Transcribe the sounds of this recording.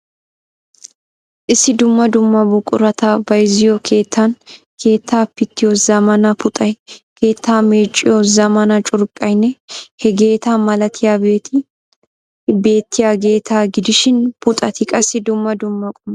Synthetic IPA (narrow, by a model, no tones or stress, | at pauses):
ʔɪsːɪd̪ʊmːɐd̪ʊmːɐbʊkʼːʊ̰ɾɐt̪aːbɐjɪzɪjokʰe̞ːt̪ʰːɐnkʰe̞ːt̪ːaːpːɪt̪ːɪjozɐmɐnɐpʊt̪ʼɐjkʰe̞ːt̪ːaːmeːt͡ʃʼːɪjɔzɐmɐnɐt͡ʃʼʊɾkʼːɐjnːɛhɛɡe̞ːt̪aːmɐlɐt̪ʰɪjaːbeːt̪ɪ | be̞ːt̪ːɪjaːɡe̞ːt̪aːɡɪd̪ɪʃɪnpʊt̪ʼɐt̪ɪkʼɐsːɪd̪ʊmːɐd̪ʊmːɐkʼʊm